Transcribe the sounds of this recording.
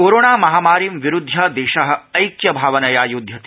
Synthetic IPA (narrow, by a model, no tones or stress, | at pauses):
koːɾoːɳaːmɐɦaːmaːɾimʋiɾud̪ʱːɐd̪eːʃɐɦɐ̆ɐjkjɐbʱaːʋɐnɐjaːjud̪ʱjɐt̪i